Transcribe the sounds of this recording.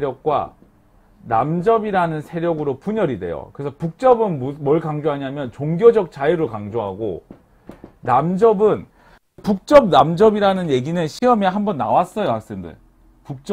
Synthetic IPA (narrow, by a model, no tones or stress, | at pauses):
ɾjʌk̚k͈wa̰ | namd͡ʑʌbiɾanɯnsʰe̞ɾjʌɡɯɾopuɲʌɾidwe̞̰jo̰kɯɾesʰʌpuk̚t͡ɕ͈ʌbɯnmmwʌɭkaŋd͡ʑoɦaɲamjʌnt͡ɕoŋɡjod͡ʑʌk̚t͡ɕ͈aiɾɯkaŋd͡ʑoɦaɡo̰ | namd͡ʑʌbɯn | puk̚t͡ɕ͈ʌb̚namd͡ʑʌbiɾanɯnje̞ɡinɯnɕʰiʌmeɦambʌnːa̰was͈ʌjoak̚s͈ɯmndɯ̰ɭ | puk̚t͡ɕ͈